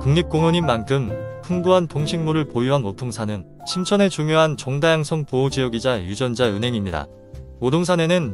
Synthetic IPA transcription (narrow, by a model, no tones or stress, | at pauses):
kuŋɲip̚k͈oŋoɲimːankʰɯmpʰuŋbuɦantoŋɕʰiŋmuɾɯɭpojiɦanotʰoŋsʰanɯn | ɕʰimt͡ɕʰʌne̞t͡ɕuŋjoɦant͡ɕʌŋdajaŋsʰʌŋpood͡ʑijʌɡid͡ʑajud͡ʑʌnd͡ʑaɯnɦe̞ŋimɲida̰ | odoŋs̬ʰane̞nɯn